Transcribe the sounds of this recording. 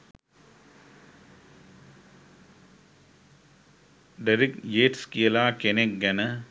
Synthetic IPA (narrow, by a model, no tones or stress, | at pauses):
ɖɐɾɪkjeːʈskiɐlaːkenek̚ɡɐnɐ